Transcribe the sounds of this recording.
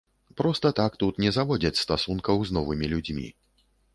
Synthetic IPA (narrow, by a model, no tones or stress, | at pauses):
pɾɔst̪ɐt̪akt̪ut̪nʲɛzavɔd͡zʲɐt͡sʲst̪asunkɐwznɔvɨmʲilʲud͡zʲmʲḭ